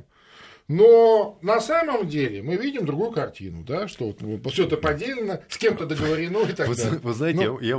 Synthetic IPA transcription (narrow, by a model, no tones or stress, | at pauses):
nonɐsaməmdʲelʲɪmɨvʲidʲɪmd̪ɾʊɡujʊkɐrtʲḭnʊ̰d̪aʂt̪ovot̪fsʲoet̪əpɐdʲelʲɪnəsʲkʲe̞mt̪əd̪əɡəvəɾʲɪno̞ɪt̪ɐɡ̪avɨznaɪnɪja